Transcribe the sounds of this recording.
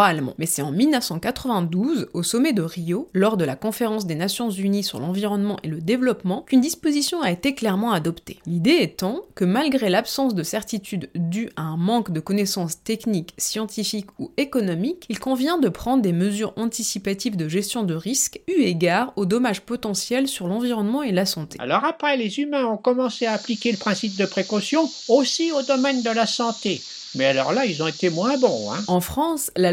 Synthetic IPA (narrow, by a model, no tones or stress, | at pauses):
almɑ̰̃mɛsɛɑ̃milnəfsɑ̃kat̪χəvɛ̃d̪uzosɔmɛd̪əʁijolɔʁd̪əlakɔ̃feʁɑ̃sd̪enasjɔ̃zynisyʁlɑ̃viʁɔnmɑ̃ʔeləd̪evlɔpmɑ̃kynd̪ispozisjɔ̃aet̪eklɛʁmɑ̃ad̪ɔpt̪e̥lid̪eɛt̪ɑ̃kəmalɡʁelapsɑ̃sd̪əsɛʁt̪it̪ʰyd̪ːyʔaɛ̃mɑ̃kd̪əkɔnɛsɑ̃st̪ɛkniksjɑ̃t̪ifikuekɔnɔmikilkɔ̃vjɛ̃d̪əpχɑ̃d̪ʁd̪eməzyʁɑ̃t̪isipat̪ivd̪əʒɛst̪jɔ̃d̪əʁiskyeɡaʁod̪ɔmaʒpɔt̪ɑ̃sjɛlsyʁlɑ̃viʁɔnmɑ̃elasɑ̃t̪ḛa̰lɔʁapχɛlezymɛ̃ɔ̃kɔmɑ̃seaːplikʲeləpχɛ̃sip̚d̪əpχekɔsjɔ̃ | osiod̪ɔmɛnd̪əlasɑ̃t̪e | mɛalɔʁlailzɔ̃et̪emwɛ̃bɔ̃ɛ̰̃ɑ̃fχɑ̃sla